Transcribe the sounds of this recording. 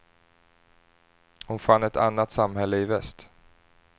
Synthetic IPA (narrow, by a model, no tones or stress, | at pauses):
hʊnfanːɛt̪ʰa̰nːat̪samhɛlːəɪvɛst̪